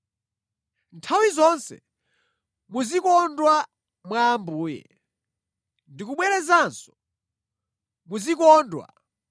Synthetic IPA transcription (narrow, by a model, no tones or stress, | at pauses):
ntʰawizɔnsɛ̰ | muzikɔndwa | mwaːmbuːjɛ̰ | ndikuɓwɛɾɛzansɔ̥ | muzikɔːndwa̰